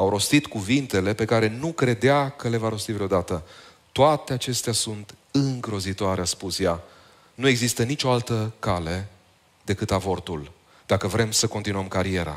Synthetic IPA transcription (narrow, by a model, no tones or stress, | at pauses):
awɾo̞st̪it̪kuvint̪e̞le̞pe̞kaɾe̞nukɾe̞d̪eakəle̞vaɾo̞st̪ivɾeo̞d̪at̪ət̪oat̪e̞at͡ʃe̞st̪easunt̪ | ɨŋɡɾo̞zit̪oaɾeaspusja | nue̞ɡzist̪ənit͡ʃo̞alt̪əkale̞ | d̪e̞kɨt̪avo̞rt̪ul | d̪̥akəvɾe̞msəko̞nt̪inuəmkaɾie̞ɾa̰